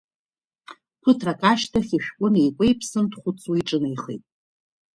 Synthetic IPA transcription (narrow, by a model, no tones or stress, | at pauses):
pʰɨtʰrakʼaʃtʰaχʲiʃᶣkʷʼʊnejkʷʼejpʰsɨndχʷʊt͡sʰʼuiʈ͡ʂʼɨnajχḛjtʼ